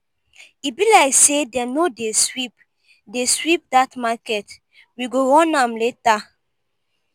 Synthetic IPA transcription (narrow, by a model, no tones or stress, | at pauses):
ibilaɪksedɛnodeswip | deswip̚datmakɛt | wiɡoɾɔ̃nãmleta